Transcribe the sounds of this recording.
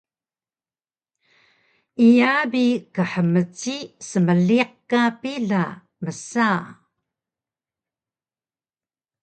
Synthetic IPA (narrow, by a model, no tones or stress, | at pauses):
ijabikəħəmət͡sisəməɮiq̚kapiɮa | məsa